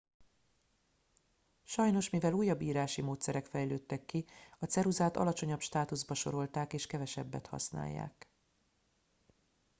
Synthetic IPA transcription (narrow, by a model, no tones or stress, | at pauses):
ʃɒjno̞ʃmivɛluːjːɒbːiːɾaːʃimoːt̪sɛɾɛkfɛjløːt̪ːɛkːiɒt̪sɛɾuzaːt̪ɒ̰lɒt͡ʃo̞ɲɒpʃt̪aːt̪uzbɒʃo̞̰ɾo̞lt̪aːkeːʃkɛvɛʃɛbːɛt̪hɒ̰sna̰ːjːa̰ːk